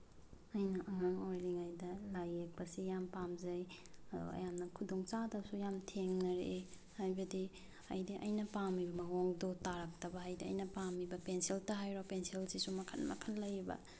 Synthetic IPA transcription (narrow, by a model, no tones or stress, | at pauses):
ɐjnɐʔɐŋaŋojliŋajdɐlajːek̚pɐsijampamzɐj | ɐdṵɐ̰jamnɐkʰudoŋt͡ʃadɐsujamtʰeŋnɐɾee | hajbɐdi | ɐ̰jdiʔɐ̰jnɐpamːibɐmɐŋoŋdotaɾɐk̚tɐbɐɦajdiɐ̰jnɐpamːibɐpensiltɐɦajɾopenselsisumɐkʰɐn̚mɐ̰kʰɐnlɐjibɐ̰